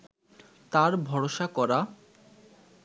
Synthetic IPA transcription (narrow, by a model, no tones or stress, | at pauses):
t̪aɾbʱɔɽoʃakɔɾa